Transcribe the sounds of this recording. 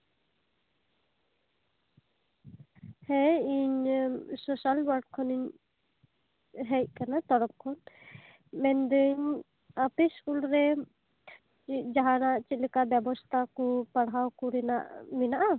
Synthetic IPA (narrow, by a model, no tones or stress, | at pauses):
hɛiɲsɔsalwaɾɖ̚kʰɔniɲ | ɦɛt̚kanat̪ɔɽɔp̚kʰɔn | mɛnd̪əɲ | apisulɾɛ | t͡ʃid͡ʒaɦanaʔt͡ʃit̪̚lɛkabjɛbɔst̪ʰakɔpaɽɦawkuɾɛna̰ʔmɛnaʔa